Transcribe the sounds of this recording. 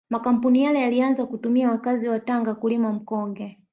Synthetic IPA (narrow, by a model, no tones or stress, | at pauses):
makam̩punijalɛjalianzakutumiawakaziwataŋɡakulimam̩kɔŋɡɛ